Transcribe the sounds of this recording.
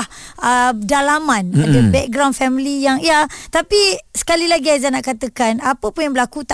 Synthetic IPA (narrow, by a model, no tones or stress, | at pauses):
ədalamãnadəbɛk̚ɡɾawndfɛmilijaŋjat̪apisə̥kalilaɡiazanaʔkat̪əkanapəpunjaŋbəlakut̪a